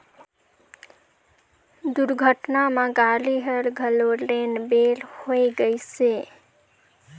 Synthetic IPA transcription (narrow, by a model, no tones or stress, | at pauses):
d̪uɾɡʱəʈnamãɡaliɦəɾɡʱəlolːenbelhojɡəjse